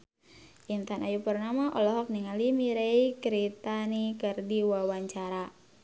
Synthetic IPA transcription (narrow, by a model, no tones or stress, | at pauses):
ʔint̪anajupərnamaʔɔlɔɦɔk̚niŋalimiɾeikɾit̪anikərdiwawaɲt͡ʃaɾa